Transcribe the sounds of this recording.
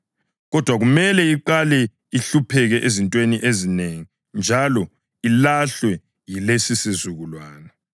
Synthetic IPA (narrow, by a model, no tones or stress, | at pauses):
ɣɔd̥ʱwaɣumɛlɛiǃalɛ | iɬupʰɛɣɛʔezintʼweniʔezineŋi | nd͡ʒʱalɔ | ilaɬwɛ | jilesisizuɣulwaːna